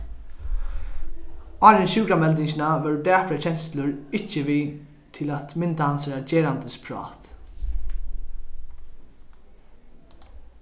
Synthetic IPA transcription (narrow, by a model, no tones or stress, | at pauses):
ɑːɾɛnɕʉːkamɛlt̪ɪɲɕɪnaʋɛɹdæːpɾat͡ɕʰɛnslʊɹɪt͡ʃːəʋiː | t̪ʰɪlat̪mɪnt̪ahansəɾad͡ʒeːɾant̪əspʰɹɑ̰ːt̪